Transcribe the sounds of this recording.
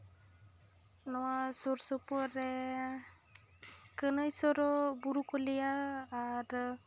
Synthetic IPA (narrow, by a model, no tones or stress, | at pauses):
nɔwasɔɾsɔpɔɾɛ | kənəjsɔɾɔbuɾukɔlijaː | ɾ